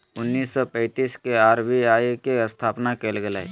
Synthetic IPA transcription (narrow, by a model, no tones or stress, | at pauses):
ʊnːiːsːɔpɛ̃ɪt̪iːskeaːɾbiaːjkeəst̪ʰaːpnakelɡela̰ːḭ